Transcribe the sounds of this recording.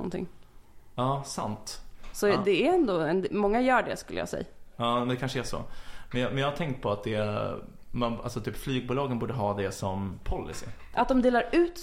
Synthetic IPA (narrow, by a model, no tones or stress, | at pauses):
ɔ̰nt̪ʰɪ̰ŋː | ɑːsa̰nt̪sɔd̪ɛːɛnd̪oːɛnd̪mɔŋːajœːɖɛ̰skɵlːəjɑ̰sɛ̰jːaɑːɛmɛnd̪ɛkʰanʂəæʂɔ̰mɛnjɑmɛnjɑːhat̪ʰɛŋkt̪̚pʰɔat̪̚d̪ɛ | mana̰lsɔt̪ʰyːpflyːɡ̚buːlɑːɡənbuːɖəɦɑːd̪ɛsɔmpʰɔlːɪ̰sɪ̰ | ʔa̰t̪̚d̪ɔmd̪eːlaɾʉ̟ːt̪